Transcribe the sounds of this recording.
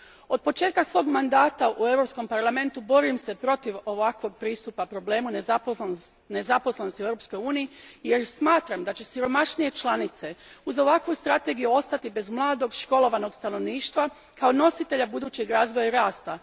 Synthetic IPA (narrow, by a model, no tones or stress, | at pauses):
o̞d̪̚po̞t͡ʃe̞ːt̪̚kasʋo̞ːɡmand̪aːt̪aʔue̞vɾo̞psko̞mpaɾlˠame̞nt̪ubo̞ɾimsepɾo̞t̪iʋo̞ʋakʋo̞ɡ̚pɾiːst̪upapɾo̞ble̞ːmunep | ne̞zapo̞slˠenost̪ievɾopsko̞juːnijije̞ɾsmaːt̪ɾamd̪at͡ɕe̞siɾo̞maʃnije̞t͡ʃlˠanit̪se̞uzo̞ʋakʋust̪ɾat̪e̞ɡijuo̞st̪at̪ibe̞zmlˠaːd̪o̞ɡʃko̞lˠo̞ʋano̞ɡst̪ano̞ʋniːʃt̪ʋa | kao̞no̞sit̪e̞ʎabud̪uːt͡ɕe̞ɡɾaːzʋo̞jaiɾaːst̪a